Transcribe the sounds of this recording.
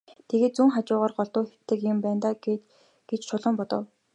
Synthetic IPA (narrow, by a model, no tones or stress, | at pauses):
t̪ʰeɣeːt̪̚t͡suːŋχat͡ɕʊːʁaːrɢɔɮt̪ʊːxe̥t̪ːɘ̆kjɪmpæːnt̪aːɡet̪ | ɡ̥et͡ɕt͡ɕʰʊɮɞ̆mpɔt̪ɞ̆w